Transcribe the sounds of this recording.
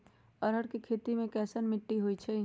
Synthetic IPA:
ɐɾɦəɽkikʰeːt̪imẽkɛːsənmɪʈːiɦoit͡ʃʰɛ

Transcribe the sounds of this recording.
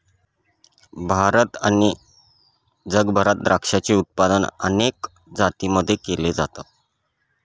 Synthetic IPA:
bʱaɾət̪aɽ̃i | d͡zəɡbʱəɾat̪̚d̪ɾakʂat͡ɕeut̪̚pad̪ənə̰nek | d͡zat̪iməd̪ʱːjekeled͡zat̪a

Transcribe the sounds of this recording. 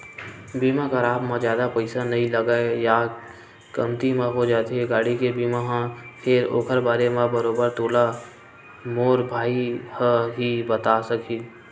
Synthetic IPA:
biːmãkaɾaːbmãd͡ʒjaːd̪apəɪsanɐɦĩləɡaeja | kəmt̪imãɦod͡ʒaːt̪eeɡaːɽikebiːmaɦãpʰeːɾo̰ːkʰəɾbaːɾemãbəɾoːbəɾt̪oːla | moːɾbʱaːihəɦibət̪asəkʰiː

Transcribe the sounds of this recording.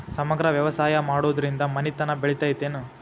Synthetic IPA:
sɐmɐɡɾɐʋjɐʋɐsaːjɐmaːɽoːd̪ɐɾind̪ɐmɐnit̪ɐnɐbeɭit̪aːjit̪eːnu

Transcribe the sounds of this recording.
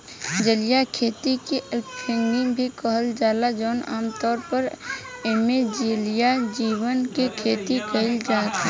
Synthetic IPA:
d͡ʒəlijakʰeːt̪ikiʔpʰɪ̃ŋɡɪŋbʱikəɦəld͡ʒaːlad͡ʒɔːna̰ːmt̪ɔːɾpəɾeːmed͡ʒilijad͡ʒiːwənkekʰeːt̪ikəɪld͡ʒaːt̪

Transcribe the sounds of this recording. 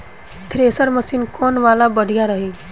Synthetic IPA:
t̪ʰɾesəɾməsinkoːnʋalabəɽ̤ʱijaɾəɦi

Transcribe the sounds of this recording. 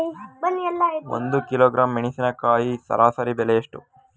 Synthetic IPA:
bɐnːiɐlːao̰nd̪ukiloːɡɾʔaːmːiɳisinɐkaːjisɐ̰ɾʔaːsɐɾibɛleɐʂʈu

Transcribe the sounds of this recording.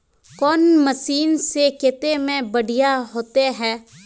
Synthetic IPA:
kɔːnməsiːnsekɪt̪emẽbəɽʱɪjaːɦoːt̪eɦɛː

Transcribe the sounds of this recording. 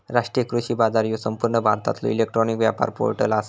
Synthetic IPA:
ɾaʂʈɾijəkɾuɕiːbad͡zaɾjosəmpuɾɳəbʱaɾt̪a̰t̪lo̰ilek̚ʈɾɔnikʋjapa̰ɾpo̰ɾʈəlas

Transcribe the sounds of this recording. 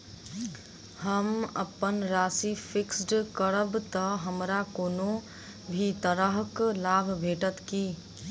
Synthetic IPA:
həməpənɾaːsipʰɪksɖkəɾəbt̪əɦəmɾakoːno | bʱit̪əɾəɦklaːbʱbʱeːʈət̪ki

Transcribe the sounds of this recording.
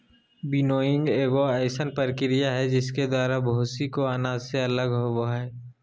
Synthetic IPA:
bɪnoːɪ̃ŋɡeːɡoɛːsənpəɾkɪɾɪjaɦɛd͡ʒɪsked̪waːɾabʱoːsikoaːnaːzseɐləɡɦoboɦɛː

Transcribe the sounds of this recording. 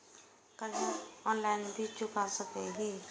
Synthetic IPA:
kədiɔnlaɪnbʱit͡ʃʊkasəkeɦi

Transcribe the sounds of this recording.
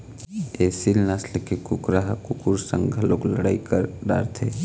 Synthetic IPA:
eːsilnaslekekʊkɾaɦkʊkuɾsə̃ŋɡʱəloːkləɽaːikəɾɖa̰ːɾt̪ʰḛː

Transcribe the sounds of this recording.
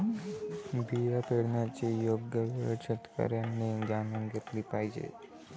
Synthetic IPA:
bijapeɽɳjat͡ɕejoɡjəʋiɕət̪kə̰ɾjanːed͡ʑanəŋɡət̪lipajd͡ʑḛ

